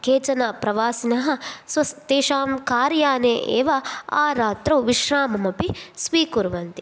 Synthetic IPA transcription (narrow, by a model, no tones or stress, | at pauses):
kʰeːt͡ʃɐnɐpɾɐʋaːsinɐɦɐ̆sʋɐst̪eːʃaːmkaːɾjaːneːʔḛːʋɐaːɾaːt̪ɾɐwʋiʃɾaːmɐmɐpisʋiːkuɾʋɐnt̪i̥